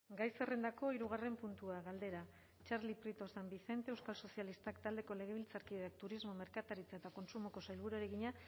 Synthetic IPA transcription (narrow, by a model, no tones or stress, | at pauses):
ɡajsere̞nd̪ako̞iɾuɣ̞are̞mpunt̪uaɣald̪e̞ɾa | t͡ʃaɾlipɾit̪o̞sambiθe̞nt̪e̞ewskalso̞sialist̪akt̪ald̪e̞ko̞le̞ɣ̞e̞β̞ilt͡saɾkieak̚t̪uɾizmo̞me̞ɾkat̪aɾit͡sae̞t̪ako̞nsumo̞ko̞sajlβuɾuaɾe̞ɣiɲa